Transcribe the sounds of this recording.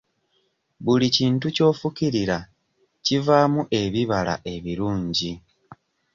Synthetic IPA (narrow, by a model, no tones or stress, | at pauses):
βuliciːntuco̞ːfukiɾiɾa | civaːmuʔe̞βiβala̰ʔe̞βiɾuːɲɟi